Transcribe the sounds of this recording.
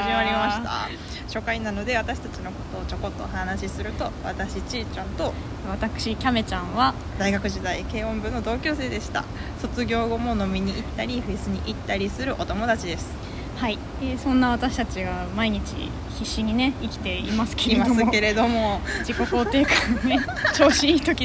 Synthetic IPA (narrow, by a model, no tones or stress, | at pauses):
aimaɾʲimaɕit̪a̰ | ɕo̞ːkainano̞d̪e̞β̞at̪aɕi̥t̪at͡ɕino̞ko̞̥t̪o̞ːt͡ɕo̞ko̞t̪ːo̞̰hanaɕisɨɾɯ̟t̪o̞βat̪aɕit͡ɕit͡ɕãnt̪o̞ | βat̪akɯ̟̥ɕikʲame̞t͡ɕãɰ̃βa | d̪aiɡakɯ̟ʑid̪aike̞ːõ̞mbɯ̟̃nːo̞d̪o̞ːkʲo̞ːse̞ːd̪e̞ɕi̥t̪a̰ | so̞t͡sɨɡʲo̞ːɡo̞mo̞no̞mʲiɲ̟iʔit̪ːaɾʲiɸɯ̟isɨɲ̟iʔit̪ːaɾʲisɨɾɯ̟ʔo̞t̪o̞mo̞d̪at͡ɕid̪e̞sɨ̥ | hai | esõ̞nːaβ̞at̪aɕi̥t̪at͡ɕiɡamaiɲ̟it͡ɕḭ | çiɕːiɲ̟ine̞ikʲi̥t̪e̞ḭmasɨ̥kemaoske̞ɾe̞d̪o̞mo̞d͡ʑiko̞ko̞ːt̪e̞ːkanet͡ɕo̞ːɕiiːt̪o̞kʲi